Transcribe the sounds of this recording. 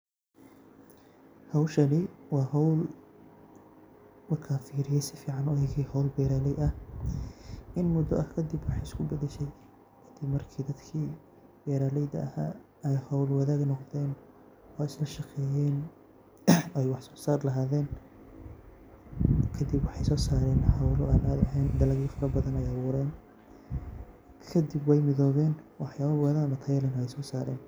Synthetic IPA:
hɐwʃɐnɪwɑːɦɔwl | wɑkʰaːfiːɾɪjɛjsɪfiːʕɑnɔɛjɣihɐwlbɛːɾaːlɛjɐh | ʔɪnmʊd̪ɔʔɐhkʰɐd̪ɪbwɑħɑɪskʰʊbɐðɛʃɛj | kʰɐd̪̥ɪbmɐrkʰiːd̪ɐd̪kʰiː | b̥ɛːɾaːlɛjðɐ̰ɐhaː | ɛjhɐwlwɑðaːɡnɔqðɛːn | ɔːɪslɐʃɑqɛːjɛːn | ɛjwɑħsɔ̥ːsaːrlɐɦaːðɛːn | kʰɐd̪ɪbwɑħɑjsɔːsaːɾɛːnħɑwlɔaːnaːd̪ɐɦɛːnd̪ɐlɐɣiːfɐɾɐbɐðɐnɛjɐβʊːɾɛːn | kʰɐd̪ɪbwɛjmɪðɔːβɛːnwʔɑħjaːβɐwɛðanɐt̪ʰɐjlɛnɔɛjsɔːsaːɾɛ̰ːn

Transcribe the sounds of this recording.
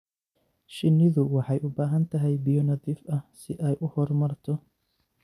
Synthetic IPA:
ʃɪnːɪðʊwɑħɑjʔʊbaːɦɐnt̪ʰɐɦɛjbijɔnɐðiːfʔɐhsɪʔɛjʔʊhɔrmɐrt̪ʰɔ

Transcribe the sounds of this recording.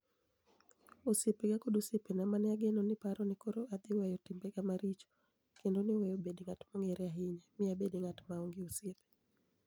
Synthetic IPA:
usepeɡakodusepɛnamanɛaɡɛnɔnɪpaɾɔnɪkoɾɔad̪ɪwɛjɔtimbɛɡamaɾit͡ʃɔ̥ | kendonɪwɛjobediŋatmɔŋɛɾɛaɦɪɲɛmɪabediŋatmaoŋɡiusepe̥

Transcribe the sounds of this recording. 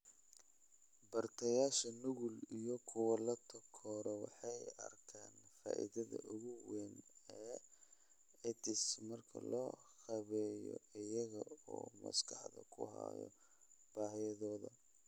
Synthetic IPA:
bɐrt̪ʰɐjaːʃɐnʊɣʊlijɔkʰʊwɐlɐt̪ʰɔkʰɔːɾɔwɑħɑjɐ̰rkʰaːnfa̰ːʔḭðɐðɐ̰ʔʊɣʊwɛnɛː | ɛt̪ʰɪsmɐrkʰɐ̰lɔːhɑβɛːjɔ̰ɪjɐɣɐɔːmɐ̰skʰɑħðɐ̰kʰʊ̰ɦɑ̰jɔ̰ | b̥aːɦɪjɐðɔːðɐ

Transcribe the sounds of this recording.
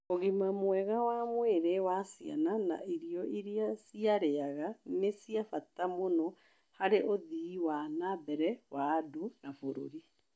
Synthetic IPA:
oɣimamwɛɣawamweɾewasia̰nana̰ʔiɾijɔʔiɾiasiaɾeaɣanesiafatamonɔ | haɾeʔoðiwanabɛɾɛwadonafoɾo̰ɾi

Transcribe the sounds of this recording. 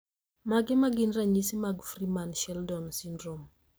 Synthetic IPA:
maɡɪmaɡɪnɾaɲisimaɡfrimanʃɛldɔnsindrom

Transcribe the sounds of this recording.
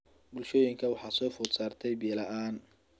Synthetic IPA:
bʊlʃɔːjɪŋkʰɐwɑħɑːsɔːfʊːd̪saːrt̪ʰɛjbiːlɐʔaːn

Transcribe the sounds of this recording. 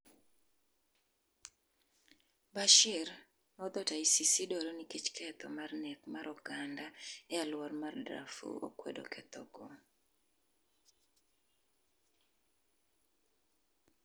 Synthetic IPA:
baʃɪɾ | mɔd̪ɔtaisisidɔɾɔnikit͡ʃkʰɛt̪ɔmarnɛkmaɾɔɡandaɛalwarmardɾa̰fṵo̰kwɛ̰do̰kɛt̪ɔɡɔ

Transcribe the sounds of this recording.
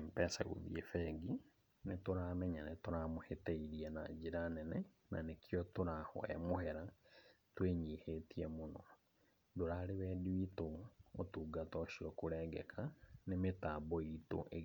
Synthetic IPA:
mpɛsaɣo̰ðḭefɛɡi | netoɾamɛɲanetoɾamohetɛiɾiɛna̰d͡ʒiɾanɛnɛ | na̰nekjɔtoɾahɔ̰ɛ̰mohɛɾa | tweɲihetiɛmonɔ | doɾaɾeβɛdiitootuɡatɔʃiɔkoɾɛɡɛkʰanemetaːbɔito̰ʔe

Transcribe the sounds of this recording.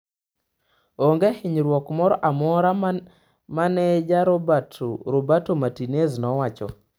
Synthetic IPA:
oŋɡehɪɲɾwɔkmɔɾɔʔamɔɾa | manɛd͡ʒaɾɔbatɾobatomatineznɔwat͡ʃɔ̰

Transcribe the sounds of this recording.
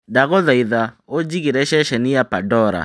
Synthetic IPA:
daɣɔðaiða | od͡ʒiɣiɾɛʃɛʃɛnijapadɔɾa̰

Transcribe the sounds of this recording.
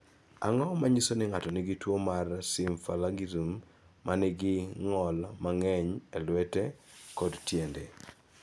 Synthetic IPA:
a̰ŋɔmaɲisonɪŋatɔnɪɡɪtwomarsɪmfalaɡiɾumː | anɪɡɪŋɔlmaŋɛɲɛlwɛtekɔdtjende

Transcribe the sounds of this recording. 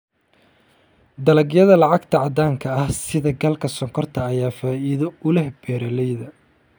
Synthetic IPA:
d̪ɐlɐɡjɐðɐlɑʕɑɡt̪ʰɐʕɑd̪aːŋkʰɐɐhsɪðɐɡɐlkʰɐsɔŋkʰɔrt̪ʰɐːjaːfaːʔiːðɔʊlɛhb̥ɛːɾɐlɛjðɐ

